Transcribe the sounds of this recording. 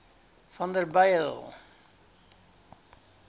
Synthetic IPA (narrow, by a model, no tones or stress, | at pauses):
fɔ̃nd̪əbaɪəl